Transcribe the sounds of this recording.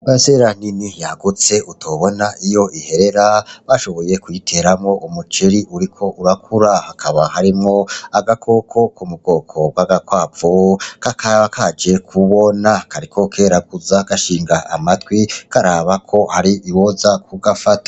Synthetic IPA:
maseɾan̥inijaɡut͡se̞ʔutʰo̞βo̞naʔijo̞ʔihe̞ɾe̞ɾaβaʃo̞βo̞je̞kwitʰe̞ɾamŋo̞ʔumut͡ʃeɾiʔuɾikʰo̞ʔuɾakʰuɾahakʰaβahaɾimŋoaɡakʰo̞kʰo̞kumuɡo̞ːkʰo̞ɡwaɡakwaːvokakaakʰad͡ʒe̞kʰuβo̞nakaɾikʰo̞kʰe̞ːɾaɡ̚uzaɡaʃiːŋɡaa̰matwikʰaɾaːβakʰo̞haɾiʔiwozakʰuɡafatḁ

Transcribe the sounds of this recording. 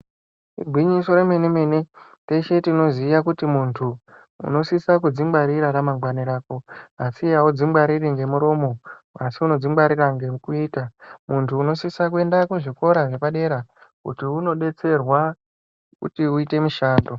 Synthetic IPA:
ḭɡʱwiɲiso̞ɾeme̞neme̞ne̞ | te̞ʃe̞tino̞zijakutimuntʰu | ṵno̞sisak̬ud͡zimbaɾiɾaɾamaŋɡwaniɾaːko̞asiaud͡zimbwaɾiriŋɡe̞muɾo̞ːmo̞ | asiuno̞d͡zimbaɾiraŋɡekuiːtamuntʰuːno̞sisak̬ue̞ndakwuʐiko̞ɾaʐe̞paɗe̞ɾakṵtiuno̞ɗe̞t͡se̞rwa | kṵtiuite̞muʃaːndo

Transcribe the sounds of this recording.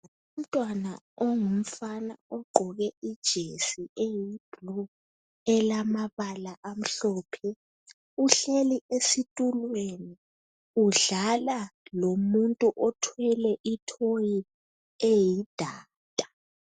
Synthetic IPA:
um̩tʼwana | ɔŋum̩fanaɔɡ͡ǃʱɔɣɛid̥ʒ̥ʱesiejib̥lɔ | ɛlamaβalaʔam̩ɬɔːpʰɛ | uɬeliesitʼulweni | uɮalalomuntʼuʔɔtʰwɛlɛʔitʰoji | ejid̥ʱaː | tʼḁ

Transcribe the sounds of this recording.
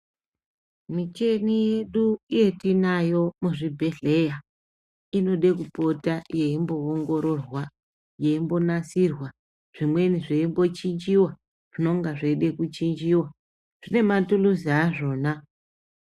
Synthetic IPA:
mit͡ʃe̞nije̞ɗuije̞tinajo̞muʐibʱe̞ɮe̞ja | ino̞ɗe̞k̬upo̞taje̞imbo̞ːŋɡo̞ɾo̞rwa | je̞imbo̞nasirwa | ʐ̥imwe̞niʐeimbo̞t͡ʃind͡ʒiwa | ʐ̥ino̞ŋɡaʐeiɗe̞kut͡ʃind͡ʒiwa | ʐ̥ine̞matuluziaʐo̞ːna

